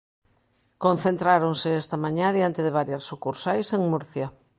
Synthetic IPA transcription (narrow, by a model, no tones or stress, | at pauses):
kõn̟θent̪ɾaɾoŋsɪɛst̪ɐmaɲãðiant̪eðeβaɾjaɾsukuɾsajseŋmuɾθja